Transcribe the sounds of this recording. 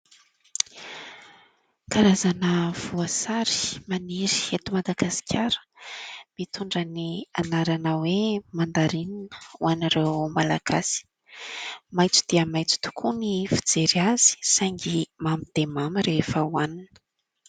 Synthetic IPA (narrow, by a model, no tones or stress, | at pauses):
kaɾazanəv̥uasaɾi̥maniɾi̥et̪umad̪aɡasi̥kʲʰaɾə̥mit̪uɳɖ͡ʐənianaɾanəwemand̪aɾininə̥uaniɾewmala̰ɡ̥asi̥ | majt͡su̥d̪̥iəmajt͡su̥t̪u̥kʰunifid͡zeɾiaz̥i̥saŋɡimamid̪̥emamiɾefəwaninə̥